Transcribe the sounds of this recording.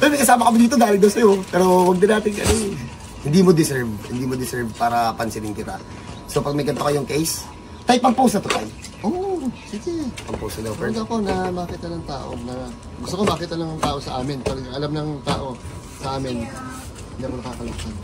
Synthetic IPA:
pɛɾomɐjkɐsaːmɐkɐmɪd̪iːt̪od̪aːlɪd̪ɐwsɐjo̞pɛːɾo̞wɐɡ̚d̪ɪnaːt̪ɪŋɡɐ̰non | hɪnd̪iːmod̪ɪsɛɹbhɪnd̪iːmod̪ɪsɛɹb̚paːɾɐpɐnsɪd̪ɪŋkɪt̪a̰ | so̞pɐɡ̚mɐɡɐnt̪okɐjʊŋkɛjs | t̪ajpɐŋpowsnɐt̪ʊt̪aj | ʔoʔsiːɡɛpɐŋpowsnɐd̪ɐwpɛokonɐbaːkɪt̪ɐlɐŋt̪a̰ːʔo̰nɐ | ɡʊst̪okobaːkɪt̪ɐlɐŋŋt̪aːʔo̞sɐ̰ʔaːmɪnpɐlɡɐlamnɐŋt̪a̰ːʔo̞ | sɐʔaːmɪn | ɪnd̪iːkonɐkaːkɐlakɐn

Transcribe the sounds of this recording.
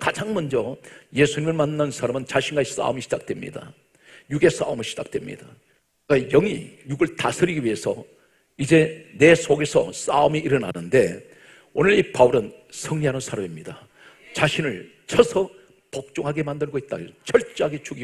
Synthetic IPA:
kad͡ʑaŋmʌnd͡ʑʌje̞sʰuɲimɯɭmanːansʰaɾamɯnt͡ɕaɕʰinɡais͈a̰ɯmiɕʰi̥d͡ʑak̚twe̞mɲḭda̰ | juɡe̞s͈a̰omɯɕʰid͡ʑa̰k̚t͈we̞mɲḭd̥a | ɡajʌŋḭjuɡɯɭtasʰɯɾiɡiɥie̞sʰʌ̰ | id͡ʑe̞ne̞sʰoɡe̞sʰʌ̰s͈aumiʔiɾʌna̰nɯnde̞ | onɯɭipauɾɯn | sʰʌŋɲiɦanɯnsʰaɾamimɲida | t͡ɕaɕʰinɯɭ | t͡ɕʰʌsʰʌ | pʌk̚t͡ɕ͈oŋɦaɡe̞mandɯɭɡoit̚t͈a̰ot͡ɕʌɭt͡ɕ͈eɦaɡe̞t͡ɕuɡi

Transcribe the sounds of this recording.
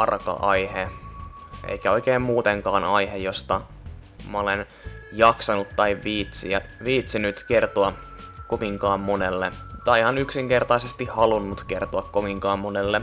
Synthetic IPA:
ɑrkɑ̰ʔɑjhe | ʔḛjkæoikeːmmuːt̪eŋkɑːnɑjɦejo̞st̪ɑ | mɑolen | jɑksɑnut̪t̪ːɑiʋʋiːt̪siɑ | ʋiːt̪sinyt̪ke̞rt̪oɑ | koʋiŋkɑːmmonelːet̪ɑihɑnyksiŋke̞rt̪ɑisest̪ihɑlunːut̪k̟e̞rt̪oɑkkoʋiŋkɑːmːonelːe

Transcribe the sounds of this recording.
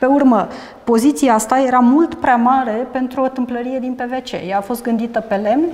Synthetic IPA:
pe̞urmə | po̞zit̪siaast̪aje̞ɾamult̪pɾeamaɾe̞pe̞nt̪ɾuot̪ɨmpləɾije̞d̪inpe̞ve̞t͡ʃe̞̰jaːfo̞st̪̚ɡɨnd̪it̪əpe̞le̞mn

